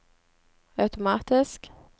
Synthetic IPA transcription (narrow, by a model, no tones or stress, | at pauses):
aʉt̪ʊmɑːt̪ɪsk